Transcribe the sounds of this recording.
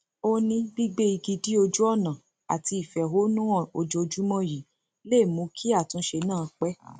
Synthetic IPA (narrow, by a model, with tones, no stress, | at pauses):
o˦nĩ˧˦ɡ͡bi˦ɡ͡be˦i˧ɡi˧di˦o˧d͡ʒu˦ɔ˦˨nã˨ | a̰˨ti˧i˨fɛ˨ɦo˨˦nũ˦ɔ˦˨o˧d͡ʒo˧d͡ʒu˦mɔ̃˦ji˨ | le˦˨mũ˨˦kʰi˦a˦˨tũ˧˦ʃe˧nãː˦˨˦k͡pɛ˦